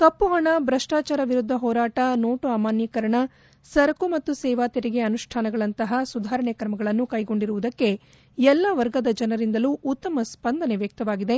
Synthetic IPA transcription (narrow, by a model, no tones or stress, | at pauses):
kɐpːuɦɐɳɐbɾɐʂʈaːt͡ʃaːɾɐʋiɾud̪ʱːɐɦɔːɾaːʈɐnoːʈuaːmaːnjɐkɐɾɐɳɐ | sɐɾɐkumɐt̪ːusɛːʋaːt̪ɐɾiɡe̞ɐnuʂʈʰaːnɐɡɐɭɐnt̪ɐɦɐsud̪ʱaːɾɐɳekɾɐmɐɡɐɭɐnːukɐjɡo̞ɳɖiɾuʋud̪ɐkːe̞ | ɛlːɐʋɐɾɡɐd̪ɐd͡ʒɐnɐɾind̪ɐluʔːt̪ːɐmɐspɐnd̪ɐneʋjɐk̚t̪ɐʋaːɡid̪e̞